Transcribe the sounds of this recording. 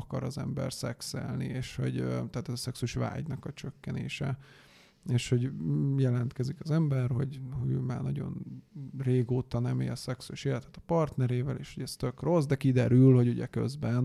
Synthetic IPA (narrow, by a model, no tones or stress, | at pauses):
kɒ̰ɾɒzɛ̰mbɛ̰rsɛksɛ̰lnḭeːʃho̞̰ɟt̪aːt̪ɛzɒsɛksuʃʋa̰ːɟnɒkɒt͡ʃøkːɛnḛːʃɛ | eːʃho̞ɟjɛlɛnt̪kɛzikɒzɛmbɛrho̞̰ɟhoɟøːmaːrnɒɟo̞̰nreːɡoːt̪ɒnɛmḭɒsɛksuʃeːlɛt̪ɛ̥t̪ɒ̥pɒrt̪nɛɾeːvɛleːʃho̞ɟɛst̪ø̞kro̞zd̪ɛkid̪ɛɾylho̞ɟuɟɛ̰kø̞̰zbɛn